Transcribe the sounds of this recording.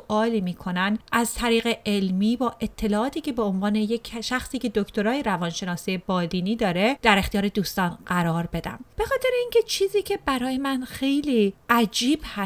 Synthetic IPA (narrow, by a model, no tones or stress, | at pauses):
ʔɒːliːmiːkʰo̞nænʔæzt̪ʰæɾiːɣe̞elmiːbɒːʔe̞t̪ʰːe̞lɒːʔɒːt̪ʰiːcʰe̞be̞onvɒːne̞jecʰʃæxsiːcʰe̞d̪ocʰt̪oɾɒːjeɾævɒːnʃe̞nɒːsijebɒːd̪iːniːd̪ɒːɾe̞d̪̥æɾe̞xt̪ijɒːɾe̞d̪uːst̪ɒːnɢæɾɒːɾbe̞d̪æ̰mb̥e̞xɒːt̪ʰe̞ɾeiːncʰe̞t͡ʃʰiːziːcʰe̞bæɾɒːje̞mænxe̞jliːʔæd͡ʒiːb̥hæ